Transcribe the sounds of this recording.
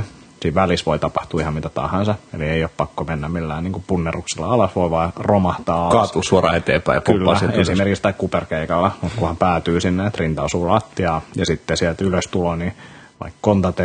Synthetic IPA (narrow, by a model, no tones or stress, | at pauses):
siːʋʋælisʋoit̪ɑpɑht̪uːihɑmmit̪æt̪ɑ̰hɑnsɑḛlieijoppɑkːomenːæmmilːæːniːŋkupunːeruksilːɑ̰ɑlɑsʋoiʋɑiromɑht̪ɑːɑkɑːt̪usuoɾɑ̰ːet̪ḛːpæ̰jpkylːɑæsesimerkikst̪ɑikkuperkeikɑlːemut̪kuhɑmpæːt̪yːsinːeet̪rint̪ɑsuːlɑt̪ːiɑːjɑsit̪ːesiɛlt̪yløst̪uloni | ʋɑ̰ikkont̪ɑt̪e